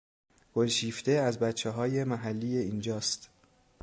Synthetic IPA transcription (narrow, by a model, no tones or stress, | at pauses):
ɡ̥onʃiːft̪eæzbæt̪t͡ʃʰːeɦɒːje̞mæɦælːijeiːnd͡ʒɒːst̪